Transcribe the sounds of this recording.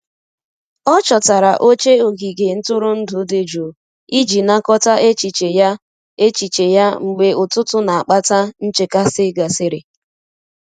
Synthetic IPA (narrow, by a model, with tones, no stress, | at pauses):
ɔ˦t͡ʃɔ˨ta˨ɾa˨ʔo˦t͡ʃe˦o˨ɡi˨ɡe˨n̩˦tʊ˦ɾʊ˦n̩˦dʊ˨˦de˦d͡ʒo˨ | i˦d͡ʒi˨na˦kɔ˦ta˦ʔe˦t͡ʃi˨t͡ʃe˨ja˦ | e˦t͡ʃi˨t͡ʃe˨ja˦ŋ͡m̩˨ɡ͡be˨ʊ˨tʊ˦tʊ˦na˨a˨k͡pa˦ta˦n̩˦t͡ʃe˦ka˦sɪ˦ɡa˨sɪ˦ɾe˨